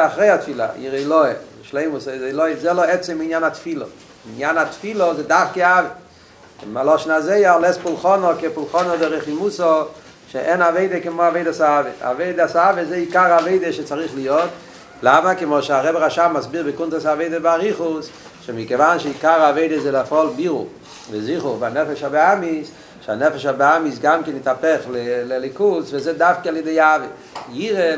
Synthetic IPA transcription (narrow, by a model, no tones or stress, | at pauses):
aχʁeɪatfilˠa̰ḭʁeɪlˠɔɪ | ʃleɪmuszeɪlˠɔɪzɛlˠɔɛt͡sɛmɪnjanatfilˠɔ̰ | ɪnjanatfilˠɔzeɪdafkɪave | ɪmalˠɔʃn̩azeɪalˠɛst̚pulˠχɔnɔkɪpʊlˠχɔnɔdɪʁɛχimusɔ | ʃeʔɛnaveɪdəkɪmɔaveɪdasaavea̰veɪdasaavezeɪikaʁaveɪdəʃɪt͡saʁiχlijɔd | lˠamakɪmɔʃaʁɛbəʁaʃamasbiʁbɪkuntəsaveɪdəbɪaʁiχʊs | ʃɪmɪkevanʃeikaʁaveɪdəzeɪlafɔlˠbiʁʊ | vɪziχʊʁbanɛfɛʃabeamis | ʃanɛfɛʃabeamis̬ɡamkɪnɪtapɛχlɪlɪlˠikusvɪzedafkɪlˠɪdeave | jiʁe